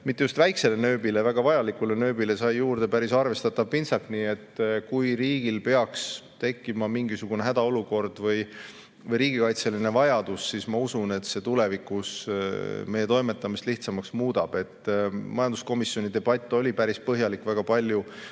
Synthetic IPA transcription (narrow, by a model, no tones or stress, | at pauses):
mit̪ːejust̪væjkse̞le̞nø̞ːbilevæɡ̥ɑvɑjɑlikˑule̞nø̞ːbile̞sɑjːuːrd̪̥e̞pæɾisɑrve̞st̪ɑt̪ːˑɑvpinsɑlt̪niːe̞t̪ːkujɾiːɡ̥ilpe̞ɑkst̪e̞kːˑimɑmiŋɡisuɡ̥uneɦæd̪ɑo̞luko̞rd̪̥vɤj | vɤjɾiːɡ̥ikɑjt̪se̞line̞vɑjɑd̪̥usːismɑusune̞t̪se̞t̪ule̞vikˑus | me̞jːe̞t̪o̞jme̞t̪ːˑɑmist̪liht̪sɑmɑksmuːd̪̥ɑb̥e̞t̪ːˑmɑjɑnd̪usko̞misjo̞nid̪e̞b̥ɑt̪ʲːˑo̞lʲipæɾispɤɦjɑlikːˑvæɡ̥ɑpɑlʲju